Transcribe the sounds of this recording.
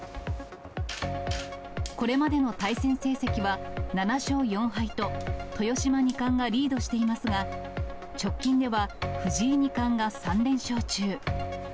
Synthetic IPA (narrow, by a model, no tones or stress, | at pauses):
ko̞ɾe̞mad̪e̞no̞t̪aisẽ̞ɰ̃se̞ːsekʲiβananaɕo̞ːjõ̞ɰ̃ɦait̪o̞t̪o̞jo̞ɕimaɲ̟ikãŋɡaɾʲiːd̪o̞ɕi̥t̪e̞imasɨɡa | t͡ɕo̞kʲːĩnd̪e̞βaɸɯ̟ʑiːɲ̟ikãŋɡasãnɾẽ̞ɰ̃ɕo̞ːt͡ɕɨː